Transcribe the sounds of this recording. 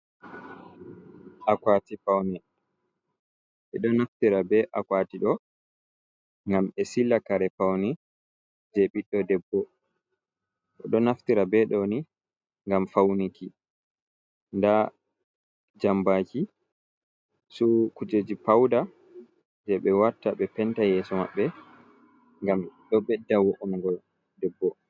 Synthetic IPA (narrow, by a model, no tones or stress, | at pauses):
ʔakwatipawnɛ | ʔɛɗɔnaftiɾabɛʔakwatiɗɔ | ŋɡamɛsilːakaɾɛpawnɛ | d͡ʒɛɓiɗːɔdɛbːɔ | ʔɔ̰ɗɔnaftiɾabɛɗɔni | ŋɡamfawniki | nda | d͡ʒambad͡ʒi | sukud͡ʒed͡ʒipawda | d͡ʒɛɓɛwatːaɓɛpɛntajɛsɔma̰ɓːɛ | ŋɡamɗɔɓɛdːawoʔumŋɡɔl | dɛbːɔ